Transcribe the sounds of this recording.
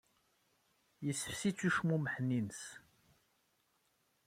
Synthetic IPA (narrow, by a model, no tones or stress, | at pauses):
jəsəfsit͡sːuʃmuməħnins